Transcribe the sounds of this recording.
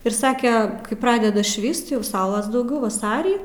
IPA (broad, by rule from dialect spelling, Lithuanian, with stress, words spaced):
ɪr ˈsɑːkʲɛ ˈkɐɪ ˈprɑːdʲɛdɐ ˈʃʲʋʲiːst jɛʊ ˈsɐʊlˠɐs dɐʊˈɡʲɛʊ ʋɐˈsɑːrʲiː